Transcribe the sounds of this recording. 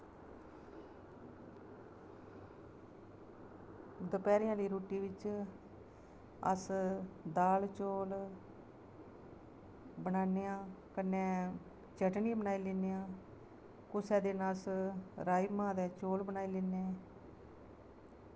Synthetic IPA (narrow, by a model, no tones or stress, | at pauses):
d̪əpɛːɾɪjãːləiːɾoːʈiːʋɪt͡ʃ | ə̰sd̪aːlt͡ʃoːl | bənaːnːejãːkənːɛ̃ː | t͡ʃəʈnĩbənaːiːleːneːãː | kʊsɛːd̪eːnaːsɾaːimãːd̪ɛːt͡ʃoːlbənaːiːleːnɛ̃ː